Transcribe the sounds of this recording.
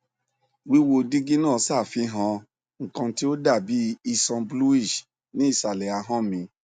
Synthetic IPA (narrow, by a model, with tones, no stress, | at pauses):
wi˦wo˧di˦ɡi˦nãː˦˨˧sa˦˨fi˨˧˦ɦã˧ | ŋ̩˨kã˧ti˦o˦da˦˨bi˨˦i˧sɔ̃˧blu˦i˦˨d͡ʒ | nĩ˨˦i˦˨sa˨lɛ˨a˧˦ɦã˦mĩ˧